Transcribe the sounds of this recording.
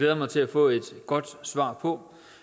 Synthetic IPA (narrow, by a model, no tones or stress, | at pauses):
leːð̞ˠɐmɑ̈ɪt͡sʰe̝læfɔ̰̽ːe̝d̥ɡ̥ɒ̽d̥sʋɑ̰̈ːpʰɔ̽